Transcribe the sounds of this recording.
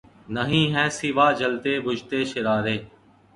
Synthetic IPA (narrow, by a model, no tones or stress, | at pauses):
nəɦĩːɦɛ̃ːsiʋaːd͡ʒəlt̪eːbʱʊd͡ʒt̪eːʃɪɾaːɾeː